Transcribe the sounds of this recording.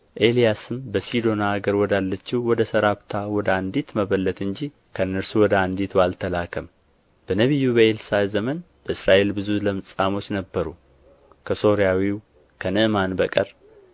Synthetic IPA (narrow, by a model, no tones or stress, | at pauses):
ʔe̞lijasɨmbəsid̪o̞naːɡəɾwɔd̪alːət͡ʃːɪwwɔd̪əsəɾaβt̪ʰawɔd̪əand̪it̪məβəlːət̪ɨɲd͡ʒi | kʰənːəɾsuwɔd̪əand̪it̪ʰalt̪ʰəlakʰəm | b̥ənəβijːubəelsazəmən | b̥əɨsɾaʔe̞lbɨzuləmɨt͡sʼamo̞t͡ʃːnəbːəɾu | kʰəso̞ɾijawiw | kʰənɨʔmanbəkʼəɾ